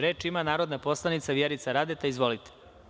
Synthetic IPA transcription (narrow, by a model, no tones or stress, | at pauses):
ɾe̞ːt͡ʃimanaːɾo̞d̪napo̞slˠanit̪saʋjeɾit̪saɾad̪et̪aizʋo̞lit̪e̥